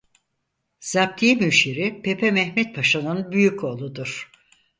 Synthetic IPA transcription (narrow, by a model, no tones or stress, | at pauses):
z̥ab̚t̪ʰimyʃiɾipʰepʰɛmɛhmɛt̪̚pʰaʃanɯnbyjycʰo̞ːlˠud̪uɾ̥